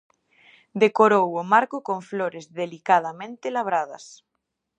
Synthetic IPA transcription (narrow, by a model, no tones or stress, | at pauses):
d̪ekoɾowomaɾkokõɱfloɾezðelikað̞amẽnt̪elaβ̞ɾað̞ɐ̰s